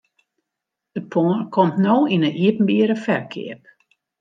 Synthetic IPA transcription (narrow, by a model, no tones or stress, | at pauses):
d̥əpʰoːənkʰɔmtnoːinəʔiəpm̩biəɾəfɛrkʰɪ̰əp̚